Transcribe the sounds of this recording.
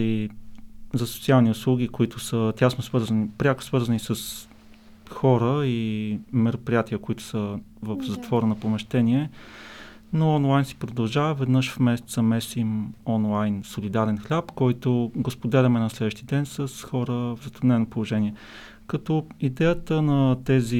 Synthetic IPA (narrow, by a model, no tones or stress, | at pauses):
i | zɐsot̪sialˠniʊslˠuɡ̟ikoit̪ʊsət̪ʲasnosvɤɾzənipɾʲakʊ̥svɤɾzənisəs | xɔɾəimɛɾopɾʲijat̪iəkoit̪ʊ̥səvəfzɐt̪vɔɾənɐpomɛʃt̪ɛniɛ | noɔnlˠajnsi̥pɾod̪ɐlˠʒavəvɛd̪nɤʃfmɛsɛ̥t̪sɐmɛsimɔnlˠajnsolid̪aɾɛnxlʲapkɔjt̪oɡospod̪ɛlʲɐmɛnɐslɛd̪vəʃt̪id̪ɛnsəsxɔɾəvzɐt̪ɾʊd̪nɛnopolˠoʒɛniɛ | kɐt̪ɔid̪ɛjət̪ənɐt̪ɛzi